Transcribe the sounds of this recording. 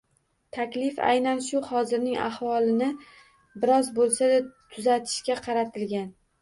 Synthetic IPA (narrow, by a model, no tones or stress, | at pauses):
t̪ʰakʲlɪfa̰jnanʃʊhɒzɪɾnɪŋa̰hvɒlˠɪnɪ | bɪɾɒzbolˠsad̪at̪ʰʊzat̪ʰɪ̥ʃkʲaqʰɑɾat̪ʰɪlɡʲan